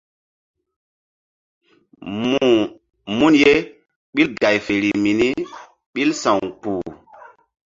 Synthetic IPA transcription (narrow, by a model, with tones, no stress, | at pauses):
mu˦nje˦ | ɓɓi˦lɡa˨jfe˨ɾi˨mi˨ni˦ | ɓi˦lsã˨wk͡puː˨